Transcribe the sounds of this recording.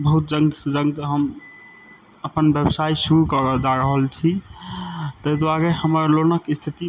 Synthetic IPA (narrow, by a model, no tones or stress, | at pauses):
bəɦut̪̚d͡ʒəŋsd͡ʒəŋt̪ɦəm | əpənbjebsaisuɾukɔɾd͡ʒaɾəɦəlt͡ʃʰi | t̪əjd̪waɾehəməɾlonəkist̪ʰit̪i